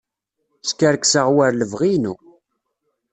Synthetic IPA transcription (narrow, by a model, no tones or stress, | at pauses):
skːəɾksəʁwæɾləvʁinu